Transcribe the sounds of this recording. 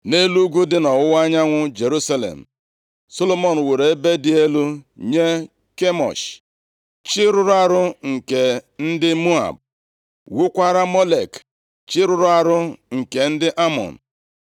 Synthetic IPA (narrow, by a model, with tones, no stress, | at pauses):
ne˦lu˦ɡʷu˦dɪ˦nɔ˨wʊ˦wa˦ɲa˦ŋʷʊ˦d͡ʒe˨ɾu˦sa˦lḛ˨m̩˨ | so˦lo˦mo˨n̩˨we˨ɾe˨˦be˦dɪ˦e˦lu˦ɲe˦ | ke˦mɔ̰˨ʃ | t͡ʃɪ˦ɾʊ˦ɾʊ˦a˦ɾʊ˦ŋ̩˨ke˨n̩˦dɪ˦mu˦a̰˨b̚ | wu˦kʷa˦ɾa˦mo˦le˨k | t͡ʃɪ˦ɾʊ˦ɾʊ˦a˨ɾʊ˦ŋ̩˨ke˨n̩˦dɪ˦ʔa˦mɔ̰˨n̩˨